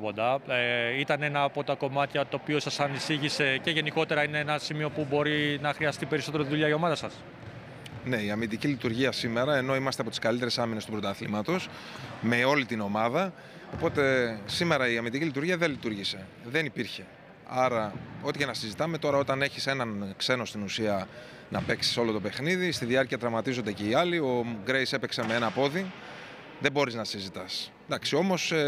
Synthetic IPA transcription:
pod̪ɐit̪ɐne̞nɐːpo̞t̪ɐko̞mɐt̪çɐt̪o̞ːpio̞sɐsɐnisiʝise̞ce̞ʝe̞niko̞t̪e̞ɾɐineenɐsimio̞pubo̞ɾinɐxɾiɐst̪ipe̞ɾisot̪eɾot̪iðuʎɐio̞mɐðɐsɐs | ne̞iɐmid̪icilit̪uɾʝiɐsime̞ɾɐe̞no̞imɐst̪eɐpo̞t̪iskɐlit̪e̞ɾe̞sɐminest̪upɾo̞t̪ɐθḭmɐt̪o̞s | me̞o̞lit̪ino̞mɐðɐ | o̞po̞t̪e̞sime̞ɾɐiɐmind̪icilit̪uɾʝiɐðelit̪uɾʝise̞ðe̞nipiɾçe̞ | ɐɾɐo̞t̪icenɐsizit̪ɐme̞t̪o̞ɾɐo̞t̪ɐne̞çise̞nɐnkse̞no̞st̪inusiɐ | nɐpe̞ksi̥so̞lo̞t̪o̞pe̞xniðist̪iðiɐɾciɐt̪ɾɐmɐt̪izo̞nd̪e̞ceiɐlio̞ɡɾejse̞peksemeenɐpo̞ði | ðebo̞ɾiznɐsizit̪ɐs | d̪ɐksio̞mo̞s

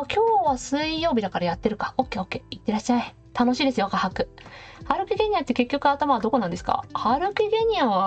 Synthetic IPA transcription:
kʲʰo̞ːβasɨijo̞ːbʲid̪akaɾajat̪ːe̞ɾɯ̟kḁo̞kːe̞okːe̞it̪ːe̞ɾaɕːai | t̪ano̞ɕiːd̪e̞sɨjokahakɯ̟ | haɾɯ̟kʲiɡe̞ɲ̟iat̪ːeke̞kʲːo̞kɯ̟at̪amaβad̪o̞ko̞nãnd̪e̞sɨ̥ka̰haɾɯ̟kʲiɡe̞ɲ̟iaβa

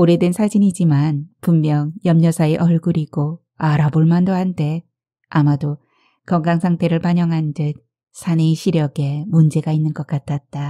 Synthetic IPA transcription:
oɾe̞dwensʰad͡ʑinid͡ʑimanpumːjʌŋjʌmɲʌsʰaeʔʌɭɡuɾiɡo | aɾaboɭmandohantʰe̞ | amado | kʌŋɡaŋsʰaŋtʰe̞ɾɯɭpaɲʌŋɦand͡ʑɯt̚ | sʰaneiɕʰiɾjʌɡe̞mund͡ʑe̞ɡainːɯnɡʌk͈atʰat̚t͈a

